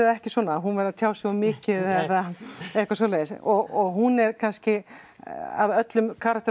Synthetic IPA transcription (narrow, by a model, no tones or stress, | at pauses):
ðɛhcɪswɔːnaɦunvɛɾaðt̪ʰjaːwsɛamɪːcɪðθɛθaɛhkvasɔːleːjɪsɔɣɔɣɦunɛɾkʰanscɪ | a̰vœt̪lʏmkʰaːɾak̚t̪